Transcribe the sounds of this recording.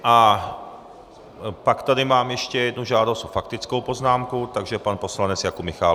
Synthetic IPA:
ʔa | pakt̪ad̪ɪmaːmjɛʃcɛjɛd̪nuʒaːd̪ost͡s̪ofakt̪ɪt͡skowpoznaːmkut̪aɡʒɛpanposlanɛt͡sjakumɪxaː

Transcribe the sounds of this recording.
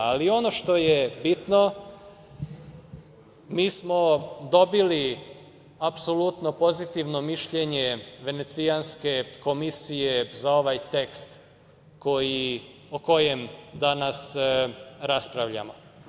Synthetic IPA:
alio̞no̞ʃt̪o̞jebit̪no̞ | miːsmo̞d̪o̞bili | apsolut̪no̞po̞zit̪iʋno̞miʃʎe̞ɲe̞ʋe̞ne̞t̪sijanske̞ko̞misijezao̞ʋajt̪e̞kst̪ | ko̞ji | oko̞jemd̪anas | ɾaspɾaʋʎa̰mo̞̰

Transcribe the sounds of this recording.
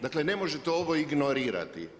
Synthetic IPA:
d̪akle̞ne̞mo̞ʒet̪eoʋoiɡnoɾiːɾa̰t̪ḭ

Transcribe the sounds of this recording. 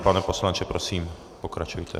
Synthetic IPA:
panɛposlant͡ʃɛpɾosiːm | pokɾat͡ʃujt̪ʰɛ̰

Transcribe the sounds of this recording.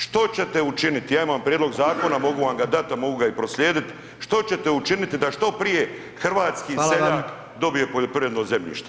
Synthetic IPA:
ʃt̪o̞t͡ɕe̞t̪e̞ut͡ʃinit̪ijaːimampɾʲjed̪lo̞ɡzaːko̞namo̞ɡuʋamɡad̪at̪amo̞ɡuɡaipɾo̞sʎʲe̞ːd̪it̪ | ʃt̪o̞t͡ɕe̞t̪e̞ut͡ʃinit̪id̪aʃt̪o̞pɾije̞ | xr̩ʋaːt̪skiːseʎaːk | d̪o̞bije̞po̞ʎo̞pɾiʋed̪noze̞mʎḭːʃt̪o

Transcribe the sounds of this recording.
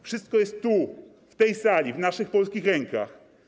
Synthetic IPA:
fʂɘst̪̚kɔjɛst̪ːu | ft̪ɛjsalʲivnaʂɘxpɔlskʲixɾɛŋka̰x

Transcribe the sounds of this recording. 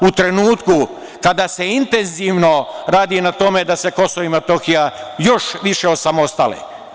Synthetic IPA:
ut̪ɾe̞nuːt̪ku | kad̪ase̞int̪e̞nziʋno̞ɾaːd̪inat̪o̞me̞d̪ase̞ko̞soimat̪o̞xijajo̞ʃʋiʃe̞osamost̪alḛ

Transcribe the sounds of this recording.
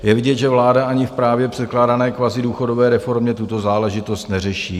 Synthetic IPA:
jɛvɪɟɛt̪ʒɛvlaːdaʔaɲɪfpɾaːvjɛpr̝̥ɛt̪klaːdanɛːkvazɪduːxo̞do̞vɛːɾɛfo̞ɾmɲɛt̪ut̪o̞zaːlɛʒɪt̪o̞st̪nɛrɛʃiː

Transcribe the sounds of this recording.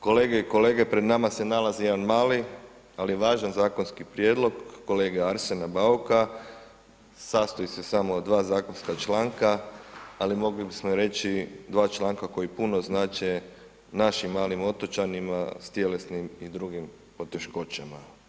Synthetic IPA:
ko̞le̞ːɡe̞iko̞le̞ːɡe̞pɾed̪namase̞nalazijed̪anmaːli | aliʋaːʒanzaːko̞nskipɾjed̪lˠo̞ɡːo̞le̞ːɡaaɾsenabauka | saːst̪oisesamod̪ʋaːzaːko̞nskat͡ʃlaːŋkaalimo̞ɡlibismoiɾe̞t͡ʃid̪ʋaːt͡ʃlˠaːŋkako̞jipunoznaːt͡ʃe | naʃimːaːlimo̞t̪ot͡ʃanima̰st̪je̞le̞snimid̪ɾuɡim | po̞t̪e̞ʃko̞t͡ʃama

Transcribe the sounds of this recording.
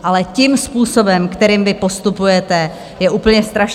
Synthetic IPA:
ʔalɛcɪmspuːso̞bɛmkt̪ɛɾiːmvɪpo̞st̪upujɛt̪ɛ | jɛʔuːpl̩ɲɛst̪ɾaʃ

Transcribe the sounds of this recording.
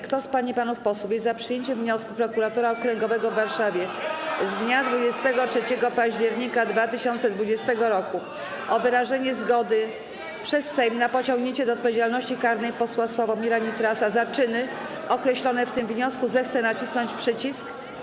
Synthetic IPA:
kt̪ɔspaɲipanufpɔswufjɛzzapʂɘjeɲt͡ɕɛvɲɔskupɾɔkuɾat̪uɾaɔkɾɛŋɡɔvɛɡɔvːaɾʂavʲjɛzd̪ɲad̪vud͡ʑɛst̪ɛɡɔtʂɛt͡ɕɛɡɔpaʑd͡ʑɛɾɲikad̪vat̪ɘɕɔnt̪sɛd̪vud͡ʑɛst̪ɛɡɔɾɔku | ʔɔvɘɾaʐɛɲɛzɡɔd̪ɘ | pʂɛsːɛjmnapɔt͡ɕɔ̃ŋɡɲeɲt͡ɕɛd̪ɔːt̪̚pɔvʲjed͡ʑalnɔɕt͡ɕikaɾnɛjpɔswaswavɔmʲiɾaɲit̪ɾasazat͡ʂɘnɘ | ɔkɾɛɕlɔnɛft̪ɘmvɲɔskuzɛxt̪sɛnat͡ɕisnɔɲt͡ɕpʂɘt͡ɕisk

